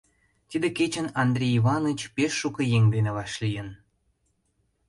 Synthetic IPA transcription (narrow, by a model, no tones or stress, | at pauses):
t̪id̪eket͡ɕə̆nɑnd̪rʲejiβɑnɨt͡ɕpeʃːukə̆jeŋd̪eneβɑʃlijə̆n